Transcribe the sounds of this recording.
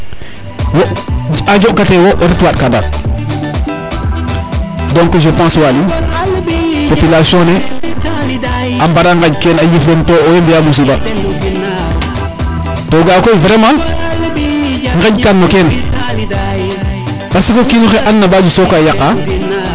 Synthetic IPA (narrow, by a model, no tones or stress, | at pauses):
woad͡ʒoʔkatewoʔeɾitwaɗ̚kanda̰ | dɔŋkod͡ʒopãːswali | popilasjɔ̃ne | ambaɾaŋɡad͡ʒkenajiflentooembijalus̬iba | toɡaːkoivɾemã | ŋɡad͡ʒkanːoken | pasikokinuxeʔanːabad͡ʒusokajaqːa